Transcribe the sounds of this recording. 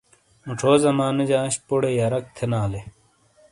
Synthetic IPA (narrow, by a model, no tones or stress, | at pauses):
muʈ͡ʂʰoːzɐmaːned͡ʑaːɕpoɽejɐɾɐk̚t̪ʰenaːle